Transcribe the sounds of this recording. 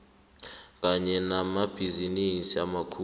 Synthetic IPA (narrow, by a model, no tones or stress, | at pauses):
k̬ʼaɲɛnamab̥ʱizinisia̰makʰu